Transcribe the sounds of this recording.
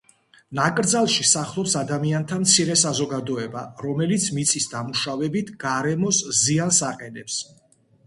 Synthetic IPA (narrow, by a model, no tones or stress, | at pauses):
nakʼɾd̪zalˠʃisaχlˠɔpsad̪amiant̪ʰamt̪sʰiɾɛsazɔɡad̪ɔɛba̰ɾɔmɛlit̪sʰmit̪sʰʼisd̪amuʃavɛbit̪ʰɡ̥aɾɛmɔsziansaqʼɛnɛps